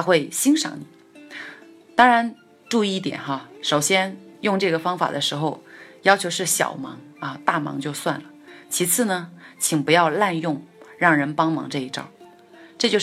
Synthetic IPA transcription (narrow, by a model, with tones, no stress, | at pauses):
a˥xwe˥˩ɪɕi˥ŋʂɑ̰˨˧˥ŋni˨˩˦ | t̪ɑ˥ŋɻa˧˥n | ʈ͡ʂu˥˧i˥˧t̪jɛ̰˨˩˦nxa˧ʂo˨˩ʊɕjɛ˥njʊ˥˧ŋʈ͡ʂɤ˥˩ɡə˩fɑ˥ŋfa̰˨˩d̪ə˦ʂɻ̩˧˥xo˥˧ʊjɑ˥ʊt͡ɕʰjo˧˥ʊʂɻ̩˥˩ɕjɑ̰˨˩ʊmɑ̰˧˥ŋɐ˧t̪a˥˩mɑ̰˧˥ŋt͡ɕjo˥˧ʊswa˥˩nlə˩t͡ɕʰi˧˥t͡sʰɹ̩˥˩nə˩t͡ɕʰi˨˩ŋpu˧˥jɑ˥˧ʊla˥˧njʊ˥˩ŋɻɑ˥˩ŋɻə˧˥npɑ˥ŋmɑ̰˧˥ŋʈ͡ʂɤ˥˧i˥˩ʈ͡ʂɑ̰˥˩˦ | ʈ͡ʂɤ˥˧t͡ɕjo˥˧ʊ